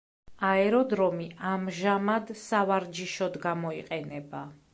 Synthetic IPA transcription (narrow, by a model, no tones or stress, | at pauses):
aɛɾɔd̪ɾɔmiʔamʒamad̪savaɾd͡ʒiʃɔd̪ɡamɔiqʼɛnɛba